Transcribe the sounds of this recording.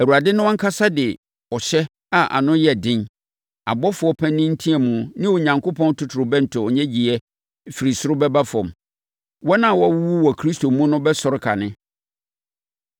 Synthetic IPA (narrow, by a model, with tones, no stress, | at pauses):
æ˨u˨a˨dɪ˦nʊ̃˦wɔ̃˦ŋ̩˦kʰa˦sa˦dɪ˨ | ɔ˨ɕɛ˦ | a˨ʔa̰˨nʊ̃˦jɛ˨dɪ̃˦n | a̰˨bɔ˦fʊ˨ɔ˦pʰɛ̃˦nːɪ̃˦n̩˦tʰĩ˦ɛ˨mũ˨nɪ̃˦wo˨ɲã˨ŋkʰʊ˦pʰɔ̃˦n˦tʰʊ˨tʰʊ˨ɾʊ˨bɛ˦n̩˨tʰʊ˨ɔ˨ɲɛ̃˦d͡ʑi˨ɛ˦ | fi˨ɾi˨sʊ˦ɾʊ˦bɛ˦ba˦fɔ̃˨m | wɔ˦nã˦˨wɔ˦wu˦u˦wɔ˨kʰɾi˦sto˨mũ˦nʊ̃˦bɛ˦sɔ˨ɾɪ˦kʰa˨nɪ̃˦